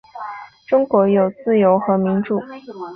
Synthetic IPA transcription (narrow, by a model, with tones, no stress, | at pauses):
ʈ͡ʂʊ˥ŋkwɔ˧˥jo˨˩ʊt͡sɹ̩˥˩jo˧˥ʊxɤ˧˥mi˧˥nʈ͡ʂu˨˩˦